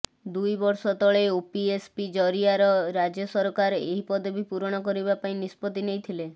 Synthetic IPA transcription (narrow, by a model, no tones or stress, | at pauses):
d̪ujbɔɾsɔt̪ɔɭeopiespid͡ʒɔɾiaɾɔɾad͡ʒjɔsɔɾɔkaɾeɦipɔd̪ɔbipuɾɔɽ̃ɔkɔɾibapaĩnispɔt̪inejt̪ʰile